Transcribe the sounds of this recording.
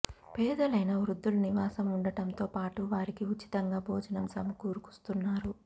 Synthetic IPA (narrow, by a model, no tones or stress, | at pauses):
pɛːd̪ɐlɐjnɐʋɾud̪ːuluniʋaːsɐmuɳɖɐʈɐmt̪oːpaːʈuʋaːɾikiut͡ʃːi̥t̪ɐŋɡaːbʱoːd͡ʒɐnɐmsɐmukuːɾuku̥st̪unːaːɾu